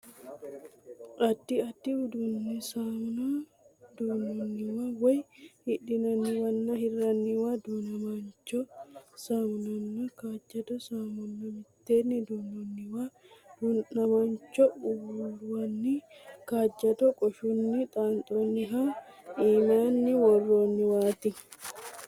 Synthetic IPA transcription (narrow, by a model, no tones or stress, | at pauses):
ʔɐd̪ːɪɐd̪ːɪʊd̪unːɪsaːmʊna | d̪uːnɔnːɪwawɔjhɪᶑɪnɐnːɪwɐnːɐhɪrɐnːɪwad̪uːnɐmɐnt͡ʃːɔsaːmʊnɐnːɐkaːd͡ʒːɐd̪ɔsaːmʊnːɐmɪt̪ːeːnːɪd̪uːnːɔnːɪwaː | d̪̥unnɐmant͡ʃːɔʊbuwɐnːɪkaːd͡ʒːɐd̪ɔkʼɔʃʊnːɪt̪ʼaːnt̪ʼoːnːɪɦaiːmaːnːɪwɔrːoːnːɪwaːt̪ɪ